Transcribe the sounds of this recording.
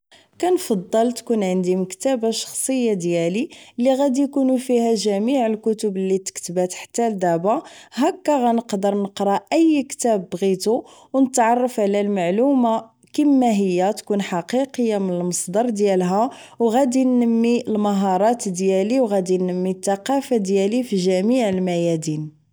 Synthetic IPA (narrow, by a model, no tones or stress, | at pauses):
kænfɑd̪ˤːəlt̪kunʕənd̪iməkt̪æbaʃɑ̥xsˤəjːad̪jælilːiɣæd̪ijkunufihæʒæmiʕəlkʊt̪əblːit̪ə̥kt̪əbæt̪ħḁt̪ːæld̪æbaɦækːæɣænəqd̪əɾˤnəqɾˤɑʔəjːkt̪æbːɣit̪u | wnət̪ʕɑrˤːɑfʕlælmaʕluma | kəmːæɦəjːæt̪kunħɑqiqəjːamənəlməsˤd̪ɑɾˤd̪jælɦæwɣæd̪inːəmːiəlməɦɑɾˤɑt̪d̪jæliwɣæd̪inːəmːit̪ːɑqɑfad̪jælifiʒæmiʕəlmæjæd̪in